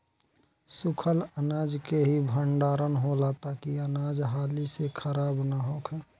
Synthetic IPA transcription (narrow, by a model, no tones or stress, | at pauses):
sʊkʰələnaːd͡ʒkeɦibʱəɳɖaːɾənɦolat̪akiənaːd͡ʒɦaːlisekʰəɾaːbnaɦoːkʰɛ